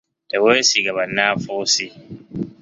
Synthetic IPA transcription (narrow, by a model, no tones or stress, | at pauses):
d̥awesiɡɐβɐnːaːfoːsi